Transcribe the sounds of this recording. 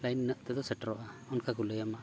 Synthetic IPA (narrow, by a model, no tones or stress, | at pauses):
lajnːəʔt̪ɛd̪ɔsəʈɾɔʔaunkaɡuləjəma